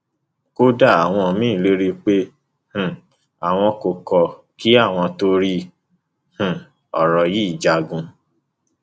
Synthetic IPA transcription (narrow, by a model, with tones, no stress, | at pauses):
ko˦da˦˨a˨w̃ɔ̃˧mĩː˦˨le˦ɾi˧k͡pe˦ | h̩˨ | a˨w̃ɔ̃˧ko˨kɔ˨ | ki˦a˦˨w̃ɔ̃˧to˧ɾi˧ | h̩˨ | ɔ˨ɾɔ˨ji˦˨d͡ʒa˧˨ɡũ˧